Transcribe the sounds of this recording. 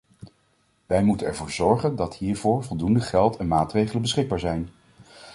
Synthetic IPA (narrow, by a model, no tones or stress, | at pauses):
ʋɛjmutənɛɹvʊːɹzɔɹχəndɑtɦiːɹvʊːɹvɔlˠdundəχɛlˠtɛnmaːtrejχələnbəsχɪɡ̚baːɹzɛjn